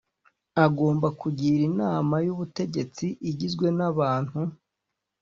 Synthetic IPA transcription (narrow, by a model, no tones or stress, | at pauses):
aɡoːmbakuɟiɾinaːmajuβute̞ɟe̞t͡siʔiɟizɡwe̞naβaːn̥hu